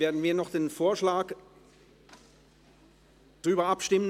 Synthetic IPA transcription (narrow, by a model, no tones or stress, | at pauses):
veːɐdn̩viːɐnɔχd̥eːnfoːɐʃlaːk | d̥ʁyːbɐapʃtɪmən